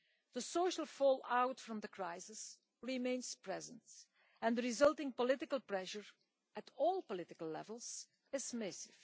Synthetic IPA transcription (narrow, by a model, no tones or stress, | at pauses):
ð̥əsoʊʃəlˠfɔːlˠawtfɹʌ̃mðəkʰɹaɪsɪs | ɹimẽɪ̃nspɹɛzə̃nt | ɛ̃ndəɹɪzʌlˠtɪ̃ŋpɔlɪtɪkəlˠpɹɛʃəɹ | ʔɨtʰɔːlˠpɔlɪtɪkəlˠlɛ̰vəl̩ˠz̥ | ɪzmɪsɪv̥